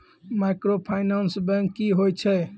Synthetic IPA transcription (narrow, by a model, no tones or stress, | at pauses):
majkɾopʰajnansbɛ̃ŋkːiɦojt͡ʃʰɛ